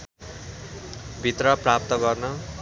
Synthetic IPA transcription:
bʱit̪rʌprap̚t̪ʌɡʌrnʌ

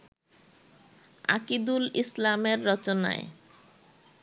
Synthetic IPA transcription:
a̰kid̪ulislameɾːɔt͡ɕona̰ḛ

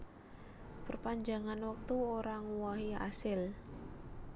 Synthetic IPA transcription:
pərpaɲd͡ʒaŋanwək̚t̪uoɾaŋuwaɦia̰sɪl

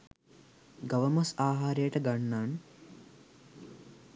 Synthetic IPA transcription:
ɡɐʋəmɐsaːɦaːɾejəʈəɡanːaːn

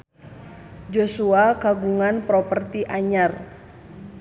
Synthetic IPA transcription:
d͡ʒosuakaɡuŋanpɾɔpərt̪iʔaɲar

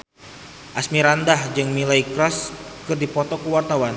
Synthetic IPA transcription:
ʔasmiɾandahd͡ʒɨŋmilaikɾɔskɨrdipɔt̪ɔkuwart̪awan

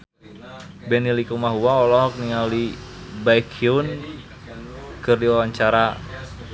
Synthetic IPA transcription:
bɛnilikumaɦuwaɔlɔɦɔk̚niŋalibajkʰiun | kɨrdiwawaɲt͡ʃaɾa

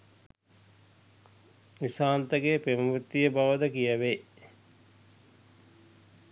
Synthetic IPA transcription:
nisaːnt̪əɡepemɐmut̪ːijəbaʋəd̪əkijəʋe

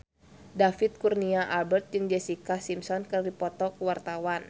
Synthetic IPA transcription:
dafit̪̚kurniaʔalbərt̪̚d͡ʒɨŋd͡ʒɛsikasimsɔnkərdipɔt̪ɔkəwart̪awan

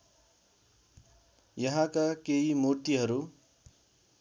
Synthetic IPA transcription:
jʌɦãkakeimut̪iɦʌɾu

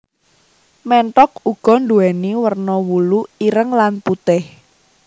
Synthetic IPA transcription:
mɛɳʈɔk̚uɡ̥ɔ̤nɖuɛniwərnɔwuluiɾəŋlanput̪ɪh

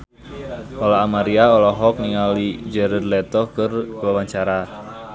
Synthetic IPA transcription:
ʔɔlaːmaɾiaɔlɔɦɔk̚niŋalid͡ʒɛɾad̪lɛt̪ɔkɨrwawaɲt͡ʃaɾa

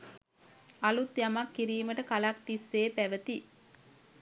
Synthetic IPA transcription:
alut̪jamakːiɾiːməʈəkalak̚t̪isːeːpæʋət̪i

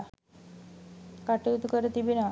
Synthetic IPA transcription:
kaʈeut̪ukəɾət̪ibina

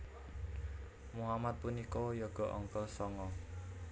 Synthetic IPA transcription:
muɦamat̪̚punikɔjɔɡ̥ɔ̤ʔɔŋkɔlsɔŋɔ

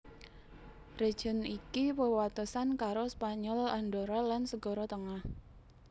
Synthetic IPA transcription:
red̥ʒ̥ɔ̤nikipəwat̪usankaɾospaɲɔlaɳɖɔɾɔlansəɡ̥ɔɾɔt̪əŋah

